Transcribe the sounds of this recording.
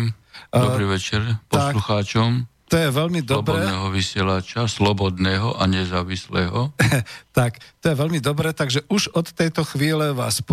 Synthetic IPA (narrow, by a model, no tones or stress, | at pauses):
d̪ɔbɾiːʋɛt͡ʃɛɾpɔsluxaːt͡ʃɔmt̪ɔjɛʋɛlmid̪ɔbdɛnɛɦɔʋisɪɛlat͡ʃaslɔbɔd̪nɛːɦɔʔaɲɛzaːʋislɛːɦɔt̪akt̪ɔjɛʋɛlmid̪ɔbɾɛt̪aɡʒɛʔuʒɔt̪ːɛjt̪ɔxʋiːlɛʋaːsp